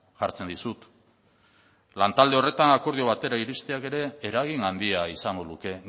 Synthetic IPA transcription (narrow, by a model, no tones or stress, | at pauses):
ʝaɾt͡se̞nd̪isut̪ | lant̪ald̪e̞o̞re̞t̪anako̞ɾð̞io̞β̞at̪e̞ɾaiɾist̪eake̞ɾe̞ːɾaɣ̞iŋand̪iaisaŋɡo̞ðuke̞